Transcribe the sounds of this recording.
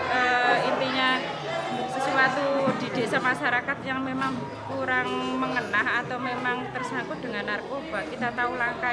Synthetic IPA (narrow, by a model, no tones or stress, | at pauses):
əint̪iɲa | səsuat̪ud̪̥i̤d̪̥e̤samaʃaɾakat̪̚jaŋmemaŋ | kuɾaŋməŋənaɦat̪awmemaŋt̪ərsaŋkʊt̪̚d̪̥əŋanːarkob̥a̤ʔkit̪at̪aulaŋka